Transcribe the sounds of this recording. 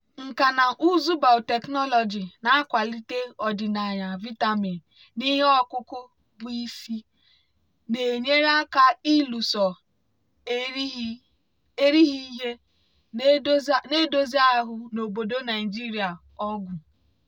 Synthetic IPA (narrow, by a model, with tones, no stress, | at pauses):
ŋ̩˨ka˨na˨ʔu˦zu˦ba˨ʊ˨te˨knɔ˦lɔ˨d͡ʒi˨na˨a˦kʷa˨li˦te˦ɔ˨dɪ˨na˨ɲa˨vi˦ta˨mi˨n | ni˦ɦe˦ɔ˦kʊ˦kʊ˦ | bʊ˨i˦si˦ | ne˨ɲe˦ɾa˦ka˦i˦lu˨sɔ˨˦ | e˦ɾi˦ɦi˦ɦe˦ | ne˦do˦zi˦a˦ɦʊ˨no˨bo˨do˦na˨ɪ˨d͡ʒi˦ɾi˨a˨ | ɔ˦ɡʷʊ˨